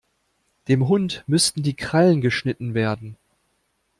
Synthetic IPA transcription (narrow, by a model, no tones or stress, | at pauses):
d̥eːmɦʊntmʏstn̩diːkʁ̥alənɡəʃnɪtn̩veːɐdn̩